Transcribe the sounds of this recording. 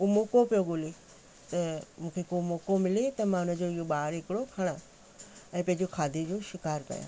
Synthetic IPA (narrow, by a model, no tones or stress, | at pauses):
umoːkopijoɠʊle | t̪ɐmũːkʰekoːmoːkomɪlet̪ɐmãːʊnəd͡ʑoɪjoɓaːɾɦɪkɪɽokʰɐɽ̃ã | ɛ̃ːpɐ̃ɦɪ̃ɲd͡ʑokʰaːd̪ʱid͡ʑoːʃɪkaːɾkɐ̰jã̰ː